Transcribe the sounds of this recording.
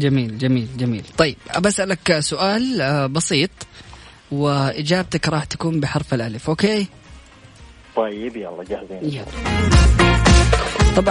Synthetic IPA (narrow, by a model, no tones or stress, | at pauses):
d͡ʒamiːld͡ʒamiːld͡ʒamḭːlt̪ˤɑjːɪb̥ʔabasʔalaksʊʔaːlbɑsiːt̪ˤ | wɪʔɪd͡ʒaːb̚t̪akɾˤɑːħt̪ḁkuːmbɪħɑɾˤfalʔalɪfʔoːkeː | t̪ˤɑjːɪbjɑ̰lˤːɑd͡ʒahziːnjaɑ | t̪ˤɑbʕ